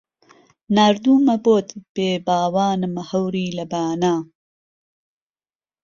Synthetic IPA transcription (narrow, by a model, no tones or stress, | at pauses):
naːɾd̪uːmɐboːt̪b̥eːbaːwaːnɨmɐhɐwɾiːlɐbaːnaː